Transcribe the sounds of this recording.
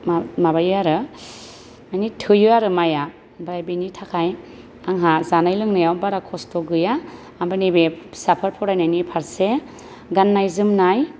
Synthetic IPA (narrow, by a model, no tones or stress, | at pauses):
amabajaɾɯ | majnitʰɯjɯaɾɯmaja | bajabenitʰakʰaj | aŋɦazanajlɯŋnajawbaɾakʰɔstɔɡɯjaː | bɯnibesapʰaɾpʰɔwɾajnajnipʰaɾse | ɡanːajzɯmnaj